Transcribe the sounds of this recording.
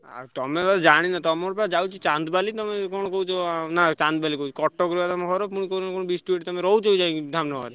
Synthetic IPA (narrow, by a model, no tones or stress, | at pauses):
a̰ɾt̪ɔmebaɾd͡ʒaɽ̃inat̪ɔmɔɾpɛad͡ʒawt͡ʃʰit͡ʃand̪balit̪ɔmekɔñɔkowt͡ʃʰɔnat͡ʃant̪balikout͡ʃʰikɔʈːɔkɾiat̪ɔmekʰɔɾopuɽ̃ikoɾnakonobisʈueʈt̪ɔmeɾɔwt͡ʃoud͡ʒajd̪ʱamnɔka̰ɾe